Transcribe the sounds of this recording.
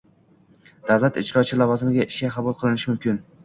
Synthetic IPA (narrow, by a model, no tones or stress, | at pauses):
d̪̥awlat̪ɪt͡ʃɾɒt͡ʃʰɪlavɒzɪmɪɡʲaɪʃkʲaqʰɑbʊlˠqʰɨlˠɪnɪʃɪmʊmkʲɪn